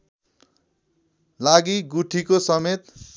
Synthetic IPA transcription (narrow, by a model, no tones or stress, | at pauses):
laɡiɡuʈʰikosʌmet̪